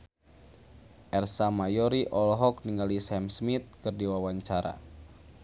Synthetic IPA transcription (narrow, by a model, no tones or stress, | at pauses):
ʔɛrsamajɔɾiʔɔlɦɔk̚niŋɡalisɛmsmit̪̚kɨrdiwawaɲt͡ʃaɾa̰